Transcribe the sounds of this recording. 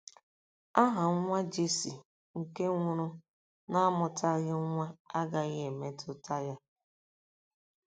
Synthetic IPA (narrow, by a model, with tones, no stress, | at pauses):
a˦ɦa˨ŋ˦ŋʷa˦d͡ʒi˦si˨ | ŋ̩˨ke˦ŋʷʊ˦ɾʊ˦ | na˦a˦mʊ˨ta˦ɣɪ˦ŋʷa˦a˦ɡa˨ɣe˨me˦tʊ˦ta˦ja˦